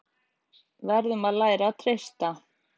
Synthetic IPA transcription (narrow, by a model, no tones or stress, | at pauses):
vɛɾðʏmaðlaːjɾat̪ʰɾejst̪a